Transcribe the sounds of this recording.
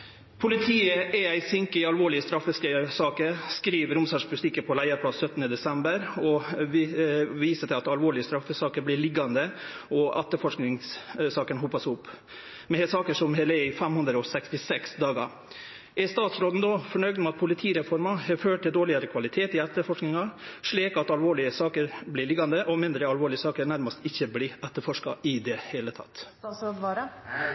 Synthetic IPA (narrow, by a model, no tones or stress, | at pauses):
pʰʊlɪt̪ʰiːəʔɛɾæɪsɪŋkəɑlʋoːɭɪəst̪ɾɑfːəsksɑːkəɾskɾiːʋəɾʊmsɑːʂpʰʊlt̪ɪkːəpʰɔlæɪəɾpʰlɑssœt̪ːənəd̪ɛsɛmbəɾɔ | ʋiːsət̪ɪɑt̪ɑlʋoːɭɪəst̪ɾɑfːəsɑːkəɾblɪɭɪɡːɑnd̪əɔʔæt̪ːəfɔʂknɪŋssɑːkənɦupɑsʊpː | mɛnhɛsɑːkəʂɔmhɛːləɛɪfɛmhʉnd̪ɾəɔsɛkst̪ɪsɛksd̪ɑːɡɑ̰ | ʔɛst̪ɑːt̪sɾoːd̪n̩d̪oːfɔɳœʏɡd̪ɔmɑt̪̚pʰʊlɪt̪ʰiːɾɛfɔɾmɑhɛføːʈ̚ʈ̪ːɪld̪oːɭɪɑɾəkʰʋɑlɪt̪ʰeːt̪ɪæt̪ːəɾfɔʂknɪŋɑʂɭiːkɑt̪ɑlʋoːɭɪəsɑːkəɾblɪɭɪɡːɑnd̪əʔɔmɪnd̪ɾəɑlʋoːɭɪəsɑːkəɾnæɾmɑst̪ɪçːəblɪɾɛt̪ːəɾfɔʂkɑɪd̪ɛheːlət̪ʰɑ̰t̪ː | soːd̪ʋɑːɾə